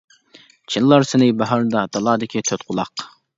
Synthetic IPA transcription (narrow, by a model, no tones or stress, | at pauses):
t͡ʃʰinlˠɑɾsɪnɪjbɑɦɑɾd̪ɑd̪̥ɑlˠɑːd̪ɪkʲʰit̪ʰøt̪qʰʊlˠɑq